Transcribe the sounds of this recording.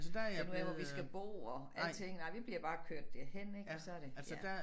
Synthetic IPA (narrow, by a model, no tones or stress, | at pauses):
sd̥ænuæʋɒʋisɡ̥æb̥o̝̰ːɐæt͡sʰeŋ̰n̩ɑ̈ɪʋib̥liɐ̰b̥ɑ̈ːkʰøɐ̰d̥ːehen̰e̝ɡ̥sɒ̽æɐ̥e̝æd̥æ